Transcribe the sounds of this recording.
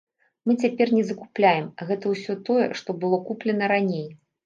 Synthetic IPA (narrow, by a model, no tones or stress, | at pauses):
mɨt͡sʲapʲɛrnʲɛzɐkuplʲajɛmɣɛt̪ɐwsʲɔt̪ɔjɛ̰ʂt̪ɔbɨlˠɔkuplʲɛnɐɾanʲej